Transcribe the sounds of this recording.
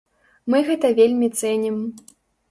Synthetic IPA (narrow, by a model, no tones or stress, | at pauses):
mɨɣɛt̪ɐvʲelʲmʲit̪sɛnʲim